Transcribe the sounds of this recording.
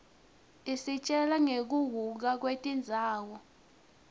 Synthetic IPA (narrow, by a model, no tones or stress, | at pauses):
isit͡ʃʼɛlaŋek̬uwuk̬ak̬wetʼind͡zʱaːwɔ